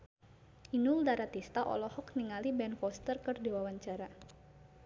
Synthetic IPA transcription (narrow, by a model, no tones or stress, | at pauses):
ʔinuldaɾat̪ist̪aʔɔ̰lɔhɔkniŋalibɛnfɔst̪ərkərdiwawaɲt͡ʃaɾa